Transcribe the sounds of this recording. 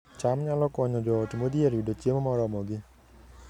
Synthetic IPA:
t͡ʃamɲalɔkɔɲɔd͡ʒɔtmod̪ijaɾiɖɔt͡ʃemɔmɔɾɔmɔɡi

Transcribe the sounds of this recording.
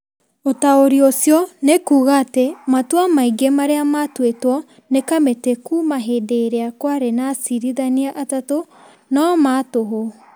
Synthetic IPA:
otaoɾiosjɔnekuːɣaːtematuamaiɡemaɾeamatwetwɔ | nekametekumaɦedeɾeakwaɾenasiɾiðaniaʔatato | namatoɦo

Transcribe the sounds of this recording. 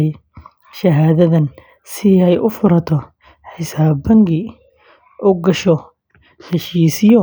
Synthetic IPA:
ʃɐɦaːðɐðɐn | sɪɛjʔʊfʊɾɐt̪ʰɔ | ħisaːbɐŋɡɪ | ʔuɡɐʃɔ | ħɪʃiːsɪjɔ

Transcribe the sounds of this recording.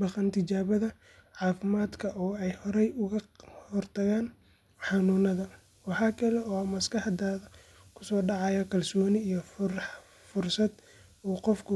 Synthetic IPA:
bɑqɐnt̪ʰɪt͡ʃaːβɐðɐ | ʕɑːfɪmaːd̪kʰɐʔɔːɛjhɔɾɛjʊɣɐhɔrt̪ʰɐɣaːn | ħɑnuːnɐðɐ | wɑħɑːkʰɐlɛɔːmɐskɑħd̪aːðɐ | kʰʊ̥sɔːɖɑʕɑjɐkʰɐlsɔːnɪijɞ | fʊrsɐd̪ | uːqɔfkʰʊ

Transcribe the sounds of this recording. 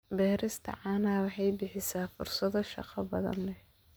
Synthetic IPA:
bɛːɾɪst̪ʰɐ̰ʕɑːnaːwɑħɑjbɪħɪsaːfʊrsɐðɔʃɑ̰qɑbɐðɐ̰nlɛ

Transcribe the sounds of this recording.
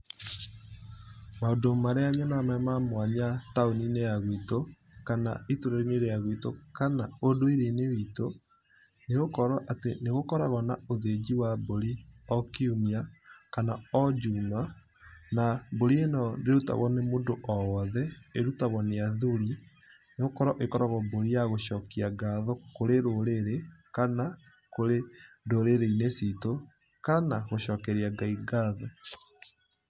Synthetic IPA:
maodomaɾeaɲɔnamɛmamwaɲataonineaɣwito | kana̰itoɾɔɾineɾeaɣwitokanaodoiɾenewito | neɣokɔɾaʔateneɣokɔɾaɣɔnaoðed͡ʑiwaboɾiɔkiumiakanaɔd͡ʒuːma | naboɾienɔdeɾuta̰ɣɔnemoːndoʔɔwɔðɛeɾutaɣɔneaðuɾi | neɣokɔɾɔʔekɔɾaɣɔboɾijaɣoʃɔkiaɡaðɔkoɾeɾoɾeɾekana | koɾedoɾeɾeinesito | kanaɣoʃɔkɛɾiaɡaiɡaðɔ

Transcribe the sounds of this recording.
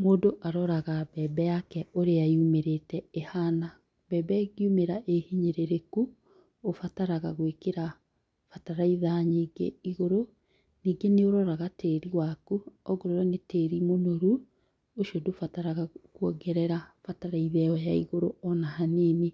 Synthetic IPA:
moːdoʔaɾɔɾaɣabɛbɛjakɛoɾeaiumeɾetɛehana | bɛːbɛɣiumeɾaʔehiɲeɾeɾekuː | fataɾaɣaɣwekeɾa | fataɾaiðaɲiːɡḛiɣoɾo | niːɡeneoɾɔɾaɣateɾiwakuɔɣoɾɔɾɔneteːɾimonoɾu | oʃiodofataɾaɣakuɔɡɛɾɛɾafataɾaiðɛɔjaiɣoɾoɔnahanene

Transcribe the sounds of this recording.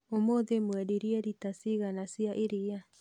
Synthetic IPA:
omoðemueɾiɾieɾitasiɣanasiaʔiɾia

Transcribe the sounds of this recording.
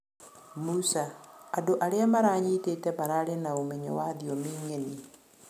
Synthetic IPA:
musaːdoʔaɾeamaɾaɲitetɛmaɾaɾenaomeɲo̰waðiomiːŋeni

